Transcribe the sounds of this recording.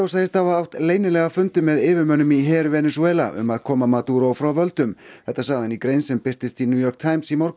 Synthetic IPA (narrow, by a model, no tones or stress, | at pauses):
owsaɣðɪst̪avaawht̪leːjnɪlɛɣafʏnt̪ʏmːɛðɪːvɪmœːnʏmiɦɛːɾvɛnɛsuɛːla̰ʔʏ̰maðkʰɔːmamat̪uɾowfɾawvœlt̪ʏmθɛht̪ːasaːɣðanikɾejnsɛmpɪr̥t̪ɪst̪injuːjɔrk̚t̪ʰajmsimɔɾkʏ